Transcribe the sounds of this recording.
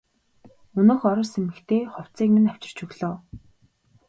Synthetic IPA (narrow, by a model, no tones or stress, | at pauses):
ɵnŏːxɔɾɞ̆rsemɘ̆kt̪ʰeːχɔw̥t͡siːkmĭnaw̥t͡ɕɪ̆r̥t͡ɕɵɣɮɔː